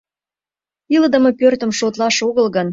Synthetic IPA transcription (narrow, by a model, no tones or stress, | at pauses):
iləd̪ə̆mɤpørt̪ə̆mʃot̪lɑʃoɣəlɣən